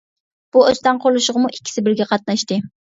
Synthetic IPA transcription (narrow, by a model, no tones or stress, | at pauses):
b̥uøst̪ɛnqʰolˠuʃʊʁəmuʔi̥kʲʰːi̥sɪbɪɾɡʲɛqʰɑt̪̚nɑʃt̪ɨ